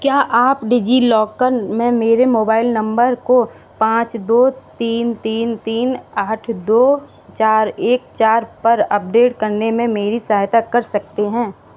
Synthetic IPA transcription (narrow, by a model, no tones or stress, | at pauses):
kjaːʔaːpɖid͡ʒilɔːɡkəɾmẽmeːɾemoːbaːɪlnɐ̃mbəɾko | pãːt͡ʃd̪oːt̪iːnt̪iːnt̪iːnaːʈʰd̪oː | t͡ʃaːɾeːk̚t͡ʃaːɾpɐɾɐp̚ɖeːʈkɐɾnemẽmeːɾisɐaːɦjt̪akɐɾsɐk̚t̪eɦɛ̃ː